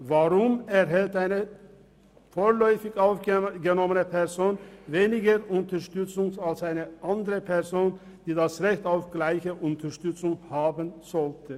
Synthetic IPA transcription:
vaʁʊmɛʁɦɛltaɪnə | foːlɔʏfɪɡaʊfɡənɔmənəpʰɛʁzoːnveːnɪɡəʁʊntəʃtʏt͡sʊŋsalsaɪnəʔandəʁəpʰɛʁzoːn | d̥iːdasʁɛçtaʊfɡ̥laɪçəʔʊntʰəʃtʏt͡sʊŋhaːbənz̥ɔltʰə

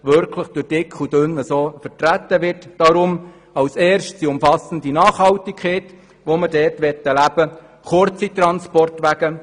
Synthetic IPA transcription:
ʋʏɾkʰləχd̥ʊd̥ɪkχud̥ʏnəsoːfərtræt̪ːəʋɪrtd̥ɑɾʊm | ɑwsɛːɾʃtsiʊmfɑsən̩dinɑːχhɑltikʰχeɪt | ʋomədɛːtʋɛt̪ːəlæb̥ə | χʊɾt͡sit̪rɑnspɔrtʋæɡ̥ə

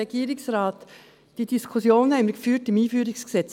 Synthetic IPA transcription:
ɛɡ̥iːɾɪksɾɑːt | d̥id̥iskʰusjoːnhɛɪməkfyːtɪmiːfyːɾɪksksɛt͡s

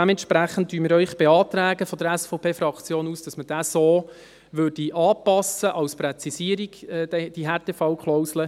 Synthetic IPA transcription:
d̥ɛmɛntʃpɾæχən̩t̚tːyːəmɪːɾœʏχb̥eɑːt̪ɾæːɡəfɔd̥̪əɾæsfɔʊpʰeːfɾɑkt͡sjoːnuːsd̥ɑsməd̥æːsoː | ʋʏɾd̥iʔɑːpɑsəʔɑwsprɛt͡sisiəɾiɡ̥ɛd̥ɛd̥iɦɛːɾtefɑʊkʰlɔʊslə

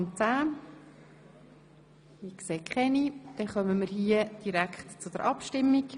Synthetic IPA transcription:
nt͡saː | ikseːkχɛnid̪̥ɛχœməməɾɦiəd̥iɾækχtt͡sʊd̥əɾʔɑpʃtɪmːik

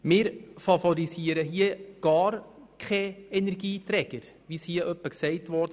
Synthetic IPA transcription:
mɪːɾfɑfɔɾisiəɾəɦiəɡ̥ɑːɾ | kʰχɛɛnɛɾɡiːtɾɛɡ̥əɾ | ʋishiəʔœpːəksɛɪtʋɔɾd

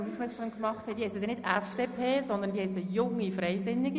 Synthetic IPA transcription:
mufmɪsləəmkmɑχt̪ʰhɛdihɛsəd̪ɛnɪdɛfd̥eːpʰeːzɔnd̪əndihɛsəjʊŋːifrɛɪsɪnːɪɡi

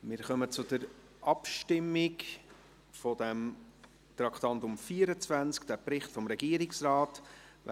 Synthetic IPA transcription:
mɪɾχœmət͡sʊd̥̪əɾ | ʔɑpʃtɪmːɪk | fɔd̥̪ɛm | t̪ɾɑkʰt̪ɑntʊmfiːəɾət͡svænt͡skd̥æpɾɪχtfɔmɾɛɡiːəɾɪksrɑːt

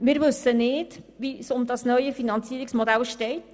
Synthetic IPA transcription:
mɪːɾʋɵsːənɪːdʋisʊmdɑsnœʏəfinɑnt͡siːəiksmodælʃtɛɪt

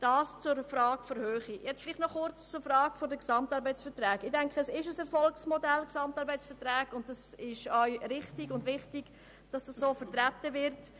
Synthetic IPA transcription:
d̥ɑːst͡sʊɾfrɾɑːkfɔɾhøːχijɛt͡sfɪlɪχtnɔχʊɾt͡st͡sʊɾfɾɑːɡ̥fɔdəksɑmtɑɾbəɪt͡sfəɾtɾæːɡɪdɛŋkχəɛsɪʃəsɛɾfɔlksmɔdɛlksɑmtɑɾbɛɪt͡sfəɾtɾæːɡʊntdɑsɪʃœɥɾɪχtɪɡʊndvɪχtɪɡ̥ | d̥ɑsd̥ɑssoːfəɾtɾætəvɪɾt

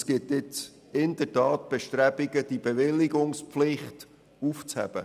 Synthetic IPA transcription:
sɡ̥ɪtɪt͡s | ɪnd̥̪əɾtɑːt̚b̥ɛʃtɾæb̥iɡəd̥ibeʋɪlːiɡʊŋspflɪχt | uft͡shɛ̰b̥ə̰

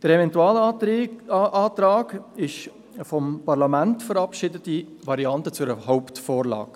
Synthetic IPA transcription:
d̥əɾevɛntuɑːl | ʔɑːtɾɑːɡɪʃ | fɔmpɑʁlɑmæntfəɾɑpʃɪdətivɑɾiɑntət͡sʊɾəhɔʊptfoːɾlɑ̰ːɡ

